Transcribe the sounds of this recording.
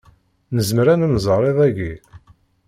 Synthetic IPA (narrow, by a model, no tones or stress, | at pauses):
nəzməɾænənzˤəɾˤeðˤæɡi